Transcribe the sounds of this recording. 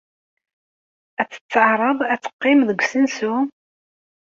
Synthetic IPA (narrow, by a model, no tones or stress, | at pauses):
æt͡sːə̥t͡sːəʕɾˤəðˤæt͡sːə̥qːɪmðəɡʷsənsu